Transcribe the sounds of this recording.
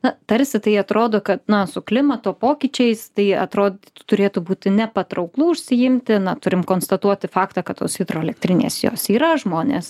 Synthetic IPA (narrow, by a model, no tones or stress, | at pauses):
nɐt̪ɐɾʲsʲɪt̪ɐɪɐt̪ɾoːd̪oːkɐt̪nɐsʊklʲɪmɐt̪oːpoːkʲit͡ʃʲɛɪst̪ɐɪɐ̰t̪ɾoːd̪t̪ʊt̪ʊɾʲeːt̪ʊbuːt̪ʲɪnʲɛpɐt̪ɾɐʊklˠuːʊʃʲsʲɪjɪmʲt̪ʲɪnɐt̪ʊɾʲɪmkoːnst̪ɐt̪uɔt̪ʲɪfɑːkt̪ɑːkɐt̪tːo̰ːshʲɪd̪ɾoːɛlʲɛk̚t̪ʲɾʲɪnʲḛːsjo̰ːsiːɾɐʒmoːnʲḛs